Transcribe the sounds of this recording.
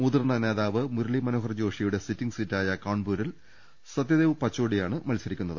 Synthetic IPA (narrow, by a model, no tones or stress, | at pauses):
mud̪ɨrnɐne̞ːðaːʋɨmuɾɐlimɐno̞ːɦɐrd͡ʑo̞ːʂijuɽe̞sitːiŋɡsitːaːjɐkaːɳbuːɾil | sɐd̪jɐðeːʋupɐt͡ɕːoːɽijaːɳɨmɐlsɐɾikʲːunːɐðɨ